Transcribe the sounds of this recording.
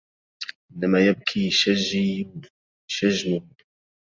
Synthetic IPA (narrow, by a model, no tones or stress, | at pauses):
ʔɪnːamajab̚kʰiʃaʒi | ʃaʒːmʊ